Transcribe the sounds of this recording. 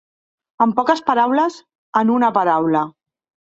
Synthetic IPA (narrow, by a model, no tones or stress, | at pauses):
əmpɔkəspaɾawləz | ənunəpaɾawlə